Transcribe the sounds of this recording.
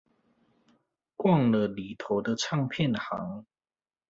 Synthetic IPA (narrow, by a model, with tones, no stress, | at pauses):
kwɑ˥˨ŋlə˨li˨˩t̪ʰo˨˧˦ʊd̪ə˧ʈ͡ʂʰɑ˥˧ŋpʰjɛ˥˨nxa˨˧˦ŋ